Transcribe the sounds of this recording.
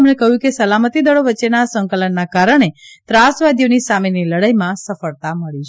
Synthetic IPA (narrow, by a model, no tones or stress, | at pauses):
mnekəɦjũkesəlamət̪id̪əɭoʋətːt͡ʃenasəŋkələnːakaɾəɳ̃et̪ɾasʋad̪jonisameniləɽəjmãsəfəɭt̪aməɭit͡ʃʰ